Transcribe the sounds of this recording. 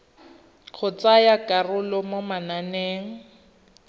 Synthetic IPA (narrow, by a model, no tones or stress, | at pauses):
k͡xʰʊt͡sajakʼarʊlɔmomananeːŋ̩